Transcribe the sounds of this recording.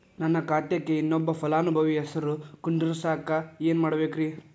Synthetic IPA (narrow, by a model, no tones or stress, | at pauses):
nɐnːɐkaːʈ̪jɐkːeinːɔbːɐpʰɐlaːnubʱɐʋiɛsɐɾukuɳɖiɾusaːkaeːnmaːɽɐbeːkɾiː